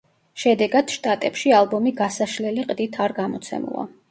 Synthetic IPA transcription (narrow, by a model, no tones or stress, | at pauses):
ʃɛd̪ɛɡad̪̥ʃt̪ʼat̪ʼɛpʃialˠbɔmiɡasaʃlɛliqʼd̪it̪ʰaɾɡamɔt̪sʰɛ̰mṵlˠa̰